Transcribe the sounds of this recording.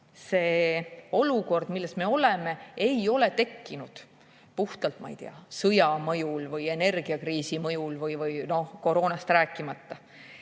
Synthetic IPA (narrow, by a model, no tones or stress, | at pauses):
se̞ːo̞luko̞rd̪̥milːesme̞o̞le̞me̞ejo̞le̞t̪e̞kːinud̪̥ | puht̪ɑlt̪mɑ̰ḭjt̪eɑsɤjɑmɤjulvɯje̞ne̞rɡ̥iɑkriːsimɤjulvɯjvɯjno̞hko̞ɾo̞ːnɑst̪ræːkːˑimɑt̪ːɑ